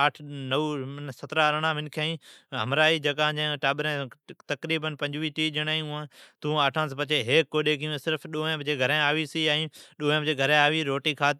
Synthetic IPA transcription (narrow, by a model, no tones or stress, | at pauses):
aːʈʰnəunsɐt̪ɾaɾəɽ̃ãːmɪnkʰaːĩːɦɐmɾaːiːd͡ʒɐɡãːd͡ʑẽʈaːɓɪɾẽt̪ɐkɾiːbənpɐ̃ɲd͡ʑʋiːʈiːd͡ʒɪɽ̃aːijũãːt̪ũaːʈʰãːs̬pɐt͡ʃeɦeːkːoːɗeːkijũsɪɾfɗoːɦẽbd͡ʑeːɡʱɐɾẽaːʋisiaːĩɗoːɦẽbd͡ʑeːɡʱɐɾẽaːʋiɾoːʈiːkʰaːt̪